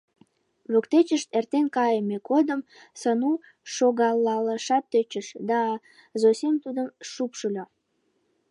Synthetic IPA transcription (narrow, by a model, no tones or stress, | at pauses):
βøkt̪et͡ɕəʃt̪ert̪enkɑjəmekod̪əm | sənu | ʃoɣɑlːɑləʃɑt̪ːøt͡ɕəʃd̪ɑ | zosʲemt̪ud̪əmʃupʃulʲo